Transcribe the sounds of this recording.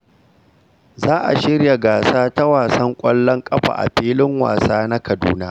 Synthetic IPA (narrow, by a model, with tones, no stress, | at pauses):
zaː˦ʔa̰˨ʃɪ˦ɽja˨ɡaː˨saː˦ta˦waː˨sɐ˦ŋkʷʼɐ˦lːɔ˦ŋkʼɐ˦ɸa̰ː˨ʔa̰˨ɸiː˦lɪ˦ŋwa̰ː˨saː˦na˦kɐ˨dṵː˦na˦